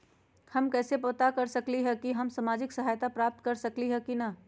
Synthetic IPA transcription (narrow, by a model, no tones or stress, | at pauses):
hɐmkɛːsepoːt̪akəɾsəkliɦɛkiɦəmsamaːd͡ʒɪksəɦaːjt̪apɾaːp̚t̪̚kəɾsəkliɦɛkina